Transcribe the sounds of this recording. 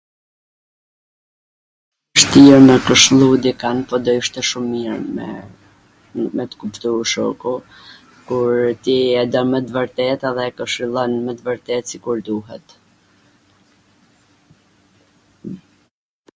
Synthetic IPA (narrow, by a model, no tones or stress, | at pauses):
ʃt̪iɾmɛkəʃlˠud̪ikanpɔd̪ɔiʃt̪ɛʃumːiɾ | mɛt̪ə̥kupt̪uɾʃɔ̰ku | kuɾt̪iɛd̪ɔnmɛt̪əvəɾt̪ɛt̪aðɛkəʃilˠɔnmɛt̪əvəɾt̪ɛt̪sikuɾd̪uɦɛ̰t̪